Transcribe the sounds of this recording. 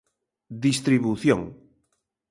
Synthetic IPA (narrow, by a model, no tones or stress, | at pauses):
d̪ist̪ɾiβuθjõŋ